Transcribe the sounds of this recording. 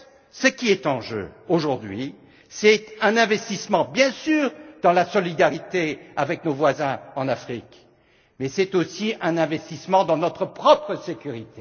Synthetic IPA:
səkʲiɛt̪ɑ̃ʒø̰oʒuʁd̪ɥi | sɛt̪ɛ̃nɛ̃vɛst̪ismɑ̃bjɛ̃syːʁd̪ɑ̃lasɔlid̪aʁit̪eavɛknovwazɛ̃ɑ̃nafχik | mɛsɛt̪osiɛ̃nɛ̃vɛst̪ismɑ̃d̪ɑ̃nɔt̪χəpχɔpχəsekʲyʁit̪e

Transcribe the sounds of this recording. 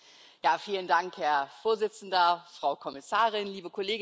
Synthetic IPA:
jaːfiːləndaŋkhɛɐfoːɐzɪt͡sn̩dɐfʁ̥aʊkʰɔmɪsaːʁɪnliːbəkʰɔleːɡ

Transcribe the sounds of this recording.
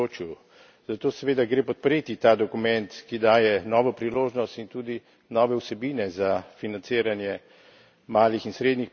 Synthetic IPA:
ot͡ʃu | z̥at̪oːsɛʋeːd̪aɡɾeːpɔt̪̚pɾeːt̪it̪aːd̪ɔkumɛnt̪kid̪aːjɛnɔːʋɔpɾiloːʒnɔst̪int̪uːd̪i | nɔːʋɛwsɛbiːnɛzafinant̪seːɾanjɛ | maːlixinsɾeːd̪nix

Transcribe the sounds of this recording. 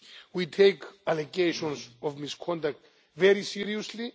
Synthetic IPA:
witʰejkʰaleɡeʃɔ̃nsɔvmiskʰɔ̃ndak̚t | vɛɹisiɹiɔsli

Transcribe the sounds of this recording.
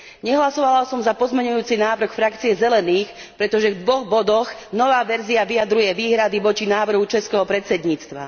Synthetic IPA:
ɲɛɦlasɔʋalasɔmzapɔzmɛɲujuːt͡sinaːʋr̩xfɾakt͡siɛzɛlɛniːx | pɾɛt̪ɔʒɛvd̪ʋɔɣbɔd̪ɔɣnɔʋaːʋɛɾziaʋijad̪ɾujɛʋiːɦɾad̪iʋɔt͡ʃinaːʋr̩ɦut͡ʃɛskɛɦɔpɾɛt̪t͡sɛd̪ɲiːt͡st̪ʋa̰

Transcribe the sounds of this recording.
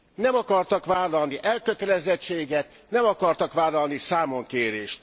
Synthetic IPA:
nɛmɒkɒrt̪ɒkʋaːlɒlniʔɛlkøt̪ɛlɛzɛt͡ʃːeːɡɛt̪ | nɛmɒkɒrt̪ɒkʋaːlɒlnisaːmo̞ŋkeːɾeːʃt̪

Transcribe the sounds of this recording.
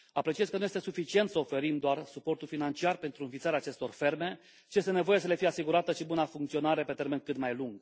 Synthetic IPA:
apɾe̞t͡ʃiez̥ʲkənujest̪e̞sufit͡ʃie̞nt̪səofe̞ɾimd̪oarsupo̞rt̪ulfinant͡ʃiarpe̞nt̪ɾuɨnfit̪saɾaːt͡ʃe̞st̪o̞rfe̞rme̞ | ʃije̞st̪e̞ne̞vo̞je̞s̬əle̞fijeasiɡuɾat̪əʃibunafuŋkt̪sio̞naɾe̞pe̞t̪e̞rmenkɨt̪majluŋɡ

